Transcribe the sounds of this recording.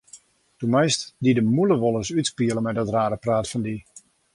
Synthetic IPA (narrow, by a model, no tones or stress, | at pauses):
d̥umɛjstdidəmuləʋolˠəsytspiələmɛdɔtraːɾəpraːtfɔndi